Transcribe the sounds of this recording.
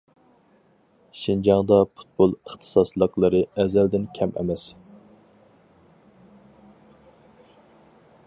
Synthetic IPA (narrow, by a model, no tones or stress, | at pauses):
ʃind͡ʒɑŋd̪ɑpʰu̥t̪̚bolˠəχt̪ʰɨ̥sɑslˠəqlˠɨɾɨɛzæld̪ɪnkʲʰɛmʔɛ̰mɛs